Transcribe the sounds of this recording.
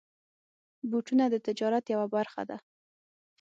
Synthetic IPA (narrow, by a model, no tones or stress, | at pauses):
buʈunad̪ət̪ɪd͡ʒɑɾat̪jawabaɾxa̰d̪a